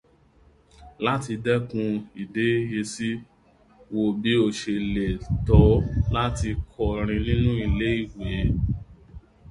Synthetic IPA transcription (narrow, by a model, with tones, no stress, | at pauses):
la˦ti˧dɛ˦kũ˧i˨de˨˦je˧si˦ | wo˧bi˨˦o˧ʃe˧le˨tɔ˨˦la˦ti˧kʰɔ˨ɾ̃ĩ˧nĩ˦nũ˦i˨le˨˦i˦˨we˨˦